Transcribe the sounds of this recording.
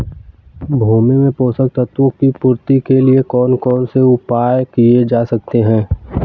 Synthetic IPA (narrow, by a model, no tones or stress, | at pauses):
bʱuːmemẽpoːsək̚t̪ət̪wõkipʊɾt̪ikeliekɔːnkɔːnseʊpaːjkied͡ʒaːsɐk̚t̪eɦɛ̃ː